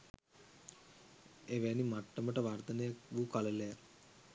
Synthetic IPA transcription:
eʋænimaʈːəməʈəʋart̪ənəjakʋukaleleja

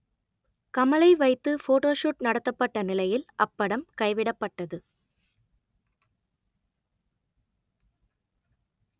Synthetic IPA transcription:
kɐmɐlɐɪʋɐɪt̪ːɯfoːʈoːʂuʈnɐɽɐt̪ːɐpːɐʈːɐnɪlɐjɪlɐpːɐɽɐmkɐɪʋɪɽɐpːɐʈːɐðɯ

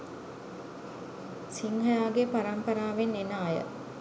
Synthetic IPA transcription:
siŋɦəjaːɡepaɾɐmpɐɾaːʋenenaːjə̰

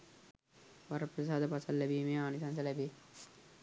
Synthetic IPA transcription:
ʋɐɾɐpːɾɐsaːðɐpɐsɐlːɐbiːmeːaːnisaːnsɐlɐbe

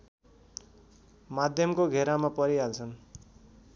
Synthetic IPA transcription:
mad̪ʱjʌmkoɡʱeɾamapʌɾiɦalt͡sʰʌn

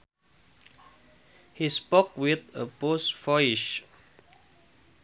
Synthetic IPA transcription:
hispokwɪðəposfɔjiʃ

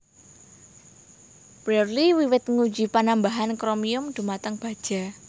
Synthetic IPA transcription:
b̥ɾɛrliwiwɪt̪̚ŋu̥d͡ʒi̤panambaɦankɾomiʊmd̪̥ṳmat̪əŋb̥a̤d̥ʒ̥a̤

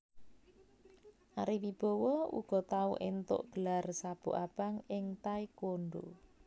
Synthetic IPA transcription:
ʔaɾiwib̥ɔwɔṵɡ̥ɔ̤t̪auʔent̪ʊ̰ʔɡ̥əlarsab̥o̰ʔab̥aŋɪŋt̪aikoɳɖo̰

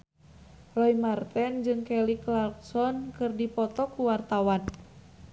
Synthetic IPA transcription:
rɔimart̪ɛnd͡ʒɨŋkɛliklarksɔnkɨrdipɔt̪ɔkuwart̪awan

